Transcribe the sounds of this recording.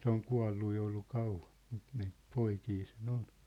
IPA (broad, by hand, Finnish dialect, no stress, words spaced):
se oŋ kuɑ̝lːu jo olːu kɑuʋɑn̞ m̥u̥t niːt poikiː sen on